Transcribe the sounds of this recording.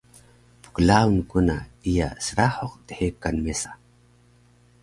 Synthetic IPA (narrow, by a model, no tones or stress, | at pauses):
pu̥klaunkunaija̰səɾaħoqt̪eħekːanmesḁ